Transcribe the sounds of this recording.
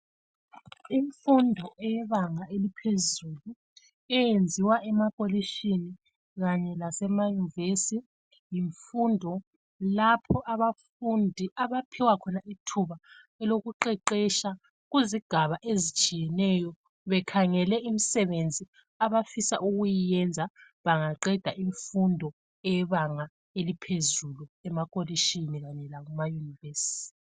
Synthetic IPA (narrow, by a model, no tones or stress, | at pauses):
iɱfundʱɔɛjɛβaŋaelipʰezulu | ɛjend͡zʱiwaʔɛmakʼoliʃini | ɣaɲɛlasɛmajunivesi | jiɱfundʱɔ | lapʰɔʔaβafundʱiʔaβapʰiwakʰɔnaitʰuβa | ɛloɣuǃɛǃɛʃa | ɣuziɡ̥ʱaβaʔezit͡ʃʼijɛnɛjɔ | βɛkʰaŋɛlɛimisɛβend͡zʱi | aβafisa̰ʔuɣujijɛnd͡zʱa | βaŋaǃɛd̥ʱaʔiɱfundʱɔ | ɛβaŋa | elipʰezuluɛmakʼoliʃiniɣaɲɛlaɣumajunivesi̥t